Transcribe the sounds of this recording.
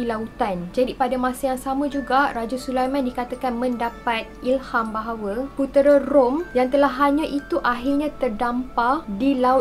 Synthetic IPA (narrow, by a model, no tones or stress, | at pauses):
ilaut̪and͡ʒadipadamãsajaŋsamãd͡ʒuɡarad͡ʒasulajmãndikat̪akanmə̃ndapat̪̚ilhambaɦawəput̪ɾəromjaŋt̪əlaɦːaɲãʔit̪uʔaɦirɲãt̪ərdampadilau